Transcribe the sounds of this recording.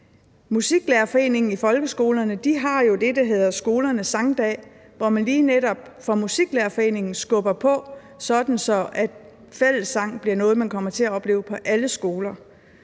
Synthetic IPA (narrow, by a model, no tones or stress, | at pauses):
musiɡ̥læɐfɒ̽e̝̰ːne̝ŋn̩ifɒ̽lɡ̥əsɡ̥o̝ːlɐnəd̥iɦɑ̈jo̝d̥e̝d̥æɦe̝ðˠɐsɡ̥o̝ːlɐnəsɑ̈ŋd̥ɛ̰ː | ʋɒmænliːneɾɒ̽b̥̚fɒ̽musiɡ̥læɐfɒ̽e̝̰ːne̝ŋn̩sɡ̥ɔb̥ɐpʰɒ̽ | sɒ̽d̥n̩sɒ̽ʔæd̥ | fel̰əsːɑ̈ŋ̰b̥liɐnɔ̽ːð̞̩ˠmænkʰɒ̽m̰ɐt͡sʰe̝æɒ̽b̥le̝ːʊpʰɒ̽ʔæləsɡ̥o̝ːlɐ